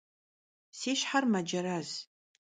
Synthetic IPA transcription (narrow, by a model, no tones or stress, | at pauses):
seːʃħarmɐd͡ʒɐɾaz̥